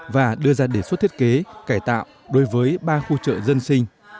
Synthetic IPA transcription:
vaː˨˩ɗɨ˧əzaː˧ɗe˧˩swt̪ʰi˦˥t̚ke˨˦kaː˧˩jt̪a̰ː˧˨w | ɗo˨˦jvəː˨˦jɓaː˧xu˧t͡ɕə̰ː˧˨zə˧nsï˧ŋ̟

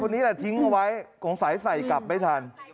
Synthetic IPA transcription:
ɔ˧nːiː˦˥ɛ˧˩t̪ʰi˦˥ŋʔa˧wa˦˥jkʰɔː˩˦ŋsaː˩˦jsa˨˩jka˨˩p̚ma˧˦˩jt̪ʰaː˧n

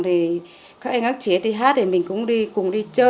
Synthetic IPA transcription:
ŋt̪ʰi˨˩ | kaː˦˥k̚ʔŋə˦˥k̚t͡ɕi˨˦ət̪ʰi˨˩ɦaː˦˥t̚ɗe˨˩mï˨˩ŋ̟kʊ̰˧˥ŋ͡mɗi˧kʊ˨˩ŋ͡mɗi˧t͡ɕəː˧

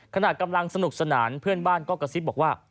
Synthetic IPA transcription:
kʰa˧na˨˩t̪̚ka˧mla˧ŋsa˧nu˨˩k̚sa˧naː˩˦npʰɯ˥˩ənbaː˥˩nkɔː˥˩ka˧si˦˥bɔː˨˩k̚waː˥˩

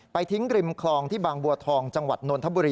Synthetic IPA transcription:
pa˧jt̪ʰi˦˥ŋɾi˧mkʰlɔː˧ŋt̪ʰiː˥˩baː˧ŋbu˧ɐt̪ʰɔː˧ŋt͡ɕa˧ŋwa˨˩t̪̚noː˧nt̪ʰa˦˥buː˧ɾiː˧

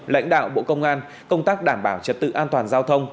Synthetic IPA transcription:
la̰˧˥jŋ̟ɗa̰ː˧˨wɓo̰˧˨kə˧wŋ͡mʔaː˧n | kə˧wŋ͡mt̪aː˦˥k̚ɗaː˧˩mɓaː˧˩wt͡ɕə˨˩t̚t̪ɨ̰˧˨ʔaː˧nt̪waː˨˩nzaː˧wt̪ʰə˧wŋ͡m

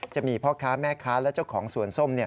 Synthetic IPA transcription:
t͡ɕa˨˩miː˧pʰɔ˦˥˩kʰaː˦˥mɛː˥˩kʰaː˦˥lɛ˦˥wt͡ɕa˥˩wkʰɔː˩˦ŋsu˨˩ənso˥˩mni˥˩ə

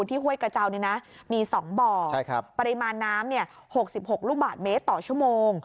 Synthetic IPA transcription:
u˧nt̪ʰiː˥˩ɦu˥˩əjkɾa˧t͡ɕa˧wniː˥˩na˦˥miː˧sɔː˩˦ŋbɔː˨˩t͡ɕʰa˦˥˩jkʰa˦˥pa˧ɾi˧maː˧nːaː˦˥mni˥˩ɐ | ho˨˩k̚si˨˩p̚ho˨˩k̚ɾuː˥˩baː˨˩t̪̚meː˦˥t̪ːɔː˨˩t͡ɕʰu˥˩əmoː˧ŋ

